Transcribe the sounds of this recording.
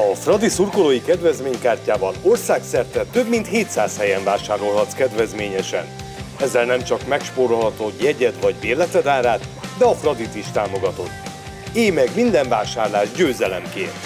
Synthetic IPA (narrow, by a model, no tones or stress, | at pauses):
ɒfrɒd̪isurkoloːjikɛd̪vɛzmeːɲkaːrcaːbɒno̞rsaːksɛrt̪ɛt̪øbmint̪heːt̪saːshɛjɛɱvaːʃaːɾo̞lɦɒt̪skɛd̪vɛzmeːɲɛʃɛ̰n | ɛzːɛlnɛmt͡ʃɒkmɛkʃpoːɾolɦɒt̪ojɛɟɛt̪vɒɟveːrlɛt̪ɛd̪aːɾaːt̪d̪ɛɒfrɒd̪it̪iʃt̪aːmo̞ɡɒt̪o̞t̪ː | eːmɛɡmind̪ɛɱvaːʃaːrlaːʒɟøːzɛlɛmkḛːnt̪